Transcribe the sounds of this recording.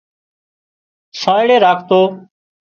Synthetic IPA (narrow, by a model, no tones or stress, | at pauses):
sãːɪɽeːɾaːkʰt̪oː